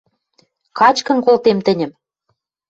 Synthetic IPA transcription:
kɑt͡ɕkɤ̆nkolt̪emt̪ɘ̆nʲɘ̆m

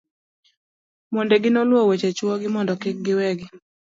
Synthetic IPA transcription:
mondeɡɪnolwɔwet͡ʃet͡ʃwɔɡɪmɔndɔkɪk̚ɡɪwɛɡɪ

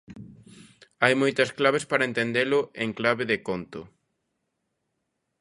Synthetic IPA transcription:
ajmojt̪ɐsklaβespaɾɐent̪end̪elʊʔeŋklaβɪðekont̪ʊ

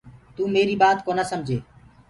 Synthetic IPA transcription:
t̪uːmeːɾiːbaːt̪koːnaːsəmd͡ʒʱeː

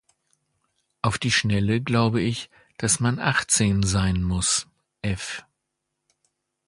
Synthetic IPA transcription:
ʔaʊfd̥iːʃnɛləɡlaʊbəɪç | d̥asmanʔaχt͡seːnzaɪnmʊs | ʔɛf

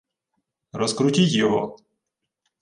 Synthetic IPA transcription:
ɾɔskɾʊtʲitʲjɔɦɔ̰

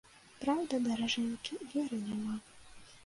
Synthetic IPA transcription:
pɾawd̪ɐd̪ɐɾɐʐɛnʲkʲivʲɛɾɨnʲama

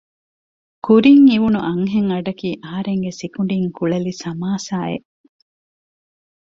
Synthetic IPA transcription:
kuɾiŋiʋunuʔɐŋɦeŋɐɖɐkiːʔɐɦɐɾeŋɡesikuɳ̆ɖiŋkuɭɐlisɐmaːsaːḛ

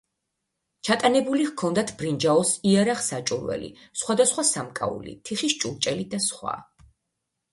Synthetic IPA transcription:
t͡ʃʰat̪ʼanɛbulivkʰɔnd̪at̪ʰbɾind͡ʒaɔsiaɾaχsat͡ʃʼuɾwɛ̰lḭ | sχwad̪asχwasamkʼa̰ṵlḭt̪ʰiχiʃt͡ʃʼulˠt͡ʃʼɛlid̪asχwa̰

